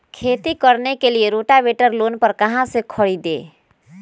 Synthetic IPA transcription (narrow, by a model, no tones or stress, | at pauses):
kʰeːt̪ikəɾnekelieɾoːʈaʋeːʈəɾloːnpəɾkɐɦãsekʰəɽid̪ḛː